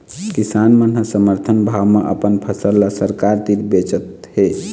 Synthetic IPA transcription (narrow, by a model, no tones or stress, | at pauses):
kisanmənɦəsəməɾt̪ʰənbʱawmeʔə̰pənpʰəsəlːasəɾkaɾt̪iɾbet͡ʃət̪he